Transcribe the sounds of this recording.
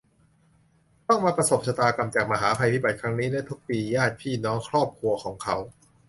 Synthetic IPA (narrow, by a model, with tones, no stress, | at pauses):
t̪ɔ˥˩ŋmaː˧pɾa˧so˨˩p̚sʰa˧t̪aː˧ka˨˩mt͡ɕaː˨˩k̚ma˧ɦaː˩˦pʰa˧jt̪ʰi˦˥ba˨˩t̪̚kʰɾa˦˥ŋniː˦˥da˥˩jt̪ʰu˦˥k̚piː˧jaː˥˩t̪̚pʰiː˥˩nɔː˦˥ŋkʰɾɔː˥˩p̚kʰɾu˧ɐkʰɔː˩˦ŋkʰa˦˥w